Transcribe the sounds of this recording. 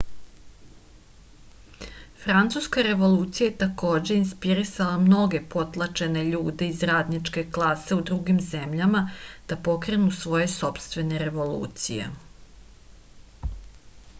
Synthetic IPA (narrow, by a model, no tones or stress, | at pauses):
fɾant̪suskaɾe̞ʋo̞luːt̪sijajet̪ako̞ːd͡ʑe̞inspiɾisalamno̞ɡe̞po̞t̪lˠat͡ʃe̞ne̞ʎuːd̪e̞izɾaːd̪nit͡ʂke̞klˠase̞ud̪ɾuɡimze̞mʎamad̪̥apo̞kɾe̞nusʋo̞je̞so̞pst̪ʋe̞neɾe̞ʋo̞lṵːt̪sḭje̞̰